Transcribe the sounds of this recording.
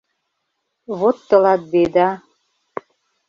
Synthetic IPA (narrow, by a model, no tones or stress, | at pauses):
βot̪ːɤ̆lɑt̪̚bed̪ɑ